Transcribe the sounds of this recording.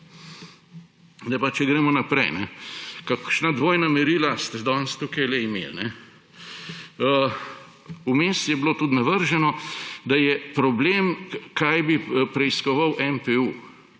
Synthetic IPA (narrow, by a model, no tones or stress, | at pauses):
nɛpat͡ʃɛɡɾɛːmɔnapɾɛjnɛ̰kakʃnad̪ʋoːjnamɛɾiːlast̪d̪ɔːnst̪ukajlɛimḛnɛ | umest̪jɛblot̪ut̪naʋəɾʒɛnɔd̪ajɛpɾɔbleːmkajbipɾɛiskɔʋawʔɛmpɛu